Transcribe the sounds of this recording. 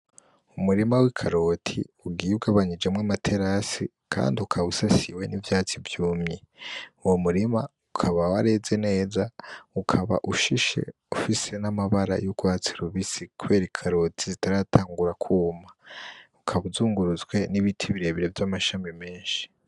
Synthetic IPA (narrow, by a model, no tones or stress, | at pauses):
umuɾimawikʰaɾo̞tʰiuɡijuɡaβaɲid͡ʒemŋamatʰe̞ɾasi | kʰa̰ːndiukʰaβusasiwe̞nivjaːt͡sivjuːmɲeuwomuɾima | ukʰaβawaɾe̞ze̞ne̞ːzaukʰaβa̰ʔuʃiʃe̞̰ | ufise̞namaβaɾa̰juɡ̥waːt͡siɾuβisikuβe̞ːɾikʰaɾo̞tʰizitaɾatʰaːŋɡuɾakʰuːmaukʰaβuzuːŋɡuɾuzɡwe̞niβitʰiβiɾe̞βiɾe̞vjamaʃaːmime̞ːnʃi̥